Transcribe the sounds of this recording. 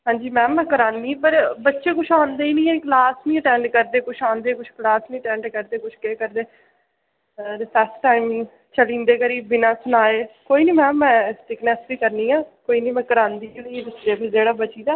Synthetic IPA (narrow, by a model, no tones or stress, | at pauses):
ɦãːɲd͡ʒiːmɛ̃ːmɛ̃ːkəɾãːnd̪iːpəɾbətːʃeːkʊt͡ʃʰaːnd̪eːiːnĩːɛklaːsnĩːəʈɛ̃ːɳɖkəɾd̪eːkʊt͡ʃʰaːnd̪eːkʊt͡ʃʰklaːsnĩːʈɛ̃ːɳɖkəɾd̪eːkʊt͡ʃʰkeːkəɾd̪eː | ɾpʰɛsʈaːim | t͡ʃəlĩːnd̪eːkəɾiːbːɪnãːsʊnaːeːkoːiːnĩːmɛ̃ːmɛ̃ːsʈɪknɛːsʋiːkəɾniːãːkoːiːnĩːmɛ̃ːkəɾãːnd̪iːlːd͡ʒ̪ɪsd̪eːpʰɪɾd͡ʒeːɽaːbət͡ʃiːd̪aː